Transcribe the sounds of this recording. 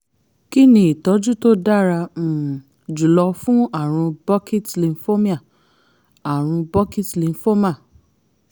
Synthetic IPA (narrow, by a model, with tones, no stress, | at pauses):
ki˦nĩ˧˦i˨tɔ˨˦d͡ʒu˦to˦da˦ɾã˧˨ | d͡ʒu˨lɔ˧fũ˦a˦˨ɾ̃ũ˧bɔ˦ki˦tlĩ˧n˦fo˦mĩ˦a˦˨ | a˨ɾ̃ũ˧bɔ˦ki˦tli˧n˦fo˦ma˦˨